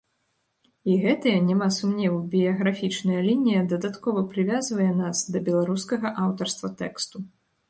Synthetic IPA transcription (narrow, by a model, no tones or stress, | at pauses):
iɣɛt̪ɨjɐnʲɛmasumnʲɛwbʲijɐɣɾafʲit͡ʂnɐjɐlʲinʲijɐd̪ɐd̪at̪kɔvɐpɾɨvʲazvɐjɛnasd̪ɐbʲɛlˠaɾuskɐɣɐʔawt̪ɐrst̪vɐt̪ɛkst̪u